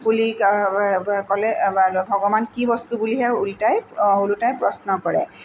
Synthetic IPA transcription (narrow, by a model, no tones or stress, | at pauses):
buli | kɔlɛbʱɔɡɔmankibɔstubuliɦɛʊultajulutajpɹɔsnɔkɔɹɛ̰